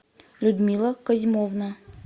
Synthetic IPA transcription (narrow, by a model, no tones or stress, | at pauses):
lʲud̪mʲilˠəkɐzʲmovnə